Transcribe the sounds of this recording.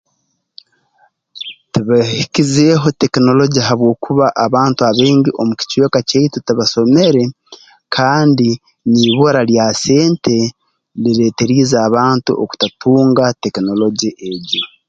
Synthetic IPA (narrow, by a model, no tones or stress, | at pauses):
tiβahikizeːɦo̞te̞kino̞lo̞ɟiɦaβwo̞ːkʰuβaʔːβaːntuaβeːɲɟiʔo̞muci̥cwekaceitutiβaso̞me̞ɾe̞ | kʰaːndi | niβoɾaljase̞ːnte̞ | liɾe̞ːte̞ɾiːzaːβaːntṵʔo̰ku̥tatuːŋɡate̞kino̞lo̞ɟiʔeɟo